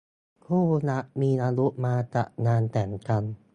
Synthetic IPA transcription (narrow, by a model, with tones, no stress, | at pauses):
kʰuː˥˩na˦˥ʔmiː˧naː˧lu˦˥ʔmaː˧t͡ɕa̰˨˩ʔnaː˧nt̪ɛː˩˦ŋka˧n